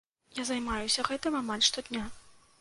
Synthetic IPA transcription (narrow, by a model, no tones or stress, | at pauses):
jazajmajusʲɐɣɛt̪ɨmamalʲʂt̪ɔd̪ʲnʲa